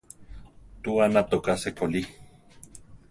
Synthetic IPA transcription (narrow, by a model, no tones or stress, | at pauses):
t̪uanat̪okasekʰoli